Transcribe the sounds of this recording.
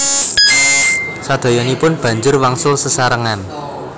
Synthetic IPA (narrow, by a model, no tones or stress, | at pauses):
sad̪̥ɔ̤jɔnipʊnb̥ä̤ɲd͡ʒʊrwaŋsʊsəsaɾəŋan